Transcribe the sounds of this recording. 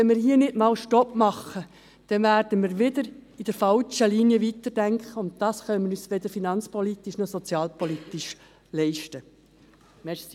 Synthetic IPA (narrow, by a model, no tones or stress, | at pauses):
ɛnmɪːɾɦiːənɪdmɑːlʃtɔpmɑχːə | d̪̥ɛnʋæːɾd̥əmɪːɾʋɪd̪əɾid̥əɾfɑlt͡ʃəliniəʋit̪ərd̥æŋkχəʊnt̚t̪ɑːsχœmənyːsʋɛd̪əfinɑnt͡spɔlit̪ːiʃnɔsɔt͡sjɑːlpɔlit̪iʃ | lɛɪʃtə | mɛs